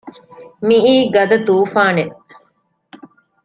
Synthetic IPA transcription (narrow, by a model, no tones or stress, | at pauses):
miiːɡɐd̪ɐt̪uːfaːne